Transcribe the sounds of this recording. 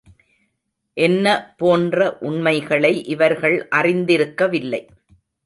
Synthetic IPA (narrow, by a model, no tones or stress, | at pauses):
ʔɛnːɐpoːndrɐʔʊɳmɐɪɣɐɭɐɪʔɪʋɐɾɣɐɭʔɐrɪnd̪ɪɾɯkːɐʋɪlːɐɪ